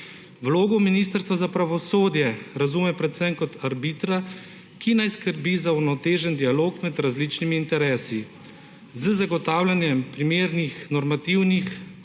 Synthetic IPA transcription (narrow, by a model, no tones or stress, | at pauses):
wloːɡɔminiːst̪əɾst̪ʋazapɾaʋɔsoːd̪jɛɾazuːmɛpɾɛt̪sɛmkɔt̪ʰaɾbit̪ɾa | kinajskəɾbizauɾnɔt̪eːʒənd̪ijaloːkmɛd̪ɾazliːt͡ʃnimiːnt̪ɛɾɛːsi | zəzaɡɔt̪aːwlʲanjɛmpɾimeːɾnixnɔɾmat̪iwnix